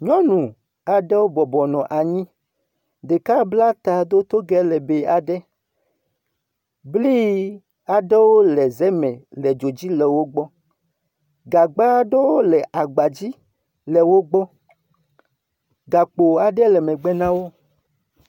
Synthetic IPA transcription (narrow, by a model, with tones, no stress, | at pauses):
ɲɔ̃˦nũ˨ | a˨ɖɛ˦wo˦bɔ˨bɔ˨nɔ̃˨ʔa˨ɲĩ˦ | de˨ka˦bla˦t̪a˨d̪o˦t̪o˦ɡɛ˦lɛ˨be˨a˨ɖɛ˦ | bli˦ | a˨ɖɛ˦wo˦lɛ˨zɛ˦mɛ̃˨lɛ˨d͡ʒo˨d͡ʑi˦lɛ˨wo˦ɡ͡bɔ˦ | ɡa˨ɡ͡ba˦ɖɛ˦wo˦lɛ˨ʔa˨ɡ͡ba˨d͡ʑi˦ | lɛ˨wo˦ɡ͡bɔ˦ | ɡa˨k͡po˨a˨ɖɛ˦lɛ˨mɛ̃˨ɡ͡bɛ˦nã˦wo˦